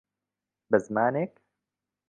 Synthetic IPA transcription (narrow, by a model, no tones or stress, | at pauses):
bɐzmaːneːk